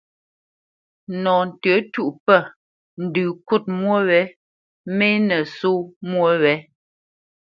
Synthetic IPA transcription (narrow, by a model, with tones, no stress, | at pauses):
nɔ˨n̩˨tə˨˦tu˦ʔpə˦˨ | n̩˨dʉ˨ku˦˨t̚mwo˦wɛ˨˦ | me˦nə˨so˦mwo˦wɛ˨˦